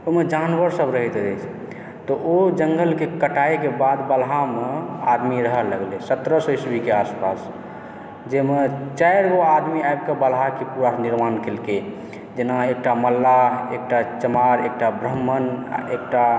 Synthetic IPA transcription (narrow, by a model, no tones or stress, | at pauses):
omed͡ʒanbəɾsəbɾəɦit̪ɛt͡ʃʰ | t̪ɔʔod͡ʒəŋɡəlkekəʈaekebad̪bəlɦamea̰d̪miɾəɦələɡlesət̪ɾəsəjsbʱikeaspas | d͡ʒemet͡ʃaeɾɡoad̪miajbkebəlɦakepuɾaniɾmankelke | d͡ʒenaek̚ʈaməlːaek̚ʈat͡ʃəmaɾek̚ʈabɾəɦmːən̰ek̚ʈa